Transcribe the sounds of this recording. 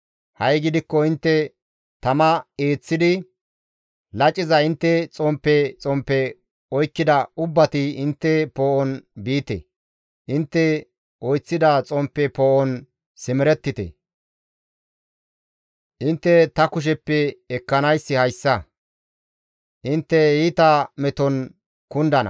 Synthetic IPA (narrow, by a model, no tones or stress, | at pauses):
hɐjɡɪd̪ɪkːɔɪnt̪ːɛ | t̪ɐmɐeːt͡sːɪd̪ɪ | lɐt͡ʃʼːɪzɐɪnt̪ːɛt͡sʼɔmpːɛt͡sʼɔmpːɛ | ɔjkːɪd̪ɐʊbːɐt̪ɪɪnt̪ːɛpoːʔɔnbiːt̪ɛ̰ | ʔɪnt̪ːɛ | ʔɔjt͡sːɪd̪ɐt͡sʼɔmpːɛpoːʔɔn | sɪmɪɾɛt̪ːɪt̪ɛ̰ | ʔɪnt̪ːɛt̪ɐkʊʃ̬ɛpːɛɛkːɐnɐjsːɪhɐjsːɐ | ʔɪnt̪ːɛhiːt̪ɐmɛt̪ɔn | kʊnd̪ɐnɐ̰